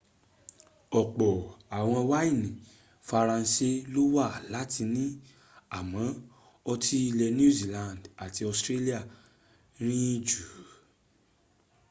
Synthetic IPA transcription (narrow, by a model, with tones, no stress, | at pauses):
ɔ˨k͡pɔ˨a˨w̃ɔ̃˧wa˦i˦˨nĩ˨ | fa˧ɾã˧˦si˦lo˦wa˦˨la˨˦ti˧nĩ˦ | a˨mɔ̃˨˦ | ɔ˧tʰi˦i˧lɛ˧nũ˦˨zi˨lã˧˨nda˨ti˧ɔ˧stɾe˦li˦a˦˨ | ɾ̃ĩ˦d͡ʒu˨˦